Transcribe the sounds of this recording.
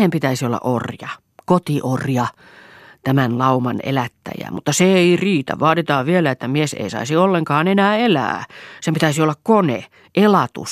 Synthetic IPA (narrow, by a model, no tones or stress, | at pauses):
empit̪æisiolːɑ̰ʔorjɑ | kot̪iʔorjɑ | t̪æmænlɑumɑnḛlæt̪ːæ̰jæ̰mut̪ːɑseeiriːt̪æ̰ʋɑːt̪it̪ɑːʋʋielæet̪ːæmiesḛisɑ̰isiolːeŋkɑːnenæːelæ̰ːsempit̪æisiolːɑkkonḛ | ʔelɑt̪ṵs